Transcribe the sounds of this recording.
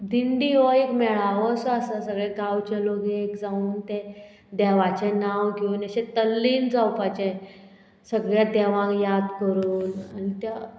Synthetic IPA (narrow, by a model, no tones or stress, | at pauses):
d̪iɳɖiɦɔekmɛɭaʋəsɔasasəɡɭɛɡawt͡ɕaloɡeːkd͡zauːnt̪ɛ | d̪ɛʋat͡ɕɛnawɡinaɕɛ̃t̪əlːiːnd͡zawpat͡ɕɛ̃ | səɡɭjad̪ɛʋãkjad̪kəɾuːnanit̪ja